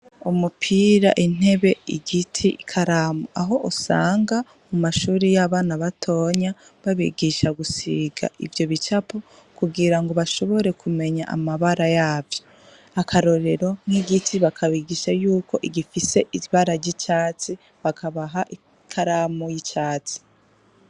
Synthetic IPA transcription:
umupʰiːɾa̰ʔin̥e̞βe̞iɡitʰikʰaɾaːmuaɦo̞ʔusa̰ːŋɡa | mumaʃuːɾijaβaːnaβatʰo̞ɲaβaβḭɡiʃaɡusiɡa̰ʔḭvjo̞βit͡ʃapo | kuɡiɾaŋɡoβaʃo̞βo̞ɾe̞kʰume̞ɲa̰ʔa̰maβaɾajaːvjo | akʰaɾo̞ɾe̞ɾo̞niɡitʰiβakʰaβiɡiʃajuːko̞ʔiɡifise̞ʔiβaɾaɟit͡ʃaːt͡si | βakʰaβaɦaʔi | kʰaɾaːmujit͡ʃaːt͡si̥

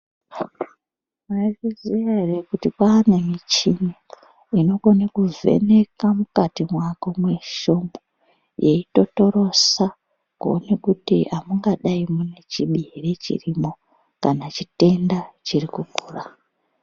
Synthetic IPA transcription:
mairizijaerekutipaːnemit͡ʃini | ino̞ko̞nekuve̞̰ne̞kamukatimwako̞mwe̞ʃo̞mbo | jʔe̞ito̞to̞ɾo̞sa | kuonekutḭamuŋɡaɗaimune̞t͡ʃiɓirit͡ʃḭrimo̞ | kanat͡ʃite̞ndat͡ʃirikukuːra

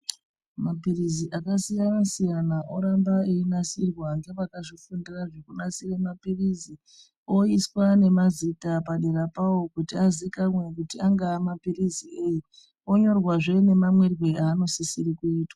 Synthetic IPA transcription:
mapiriziʔakasijanasijanaʔoɾambaeinasirwaŋɡe̞ʋakaʐifundiraʐekunasiremapirizi | o̞iswane̞mazitapaɗeɾapawo̞kutiazikamwe̞k̬utiaŋɡaːmapiriziʔeji | o̞ɲo̞rwaʐe̞ne̞mamwerweaːno̞sisiɾikuiːtwa

